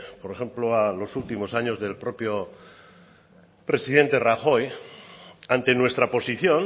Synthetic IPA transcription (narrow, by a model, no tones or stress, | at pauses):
poɾexe̞mploalo̞sult̪imo̞saɲo̞zðe̞lpɾo̞pjo | pɾe̞siðẽ̞nt̪e̞raxo̞j | ant̪e̞nwe̞st̪ɾapo̞siθjo̞n